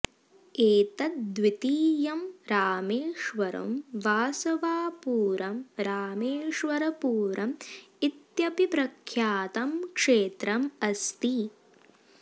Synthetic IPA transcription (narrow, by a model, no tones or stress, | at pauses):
eːt̪ɐt̪̚d̪ʋit̪iːjɐmɾaːmeːʂʋɐɾɐ̰mʋaːsɐʋaːpuːɾɐmɾaːmeːʂʋɐɾɐpuːɾɐmit̪jɐpipɾɐkʰjaːt̪ɐmkʂeːt̪ɾɐmɐst̪i